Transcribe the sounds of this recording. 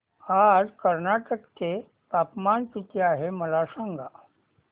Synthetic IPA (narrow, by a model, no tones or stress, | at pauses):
ad͡zkəɾnaʈəkt̪e | p̪apmankit̪eaɦeməlasaŋɡʱa